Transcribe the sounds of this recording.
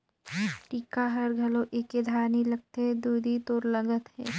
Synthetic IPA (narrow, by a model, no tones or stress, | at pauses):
ʈiːkaɦɐɾɡʱɐlõʔeked̪ʱaːnilɐɡ̚t̪eɦɛd̪uːd̪ʱit̪oːɾləŋɡət̪ɦɛ̰ː